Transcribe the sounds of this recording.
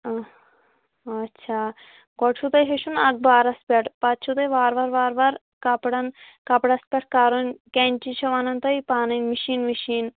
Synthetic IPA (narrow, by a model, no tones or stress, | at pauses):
ɐtːʃʰaː | ɡɔʈt͡ʃʰut̪ɐjɦeʃunɐɡ̚baːɾɐspʲɛʈpɐt̪t͡ʃʰut̪ɐjʋaːɾʋaːɾʋaːɾʋaːɾ | kɐpɽɐnkɐpɽɐspʲɐʈ̚ʰkaɾunkenʲt͡ʃit͡ʃʰɐʋɐnɐnt̪ɐjpaːnɐjnmiʃiːnmiʃiːn